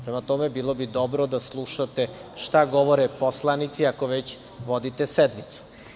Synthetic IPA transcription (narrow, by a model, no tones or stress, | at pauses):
pɾemat̪omebiːlˠobid̪obɾod̪aslˠuʃat̪e̞ʃt̪aɡoʋoɾeposlˠanit̪siako̞ʋet͡ɕ | ʋod̪it̪esed̪mit̪su̥